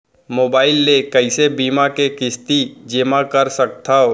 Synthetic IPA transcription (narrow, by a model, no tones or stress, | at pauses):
moːbaːɪlːekəɪsebiːmakekɪst̪id͡ʒemãkəɾsək̚t̪ʰao